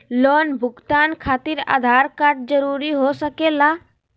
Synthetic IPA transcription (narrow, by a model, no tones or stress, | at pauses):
loːnbʱʊɡt̪aːnkʰaːt̪iɾa̰ːd̪ʱaːɾkaɾʈ̚d͡ʒəɾuːɾiɦosəkeːlaː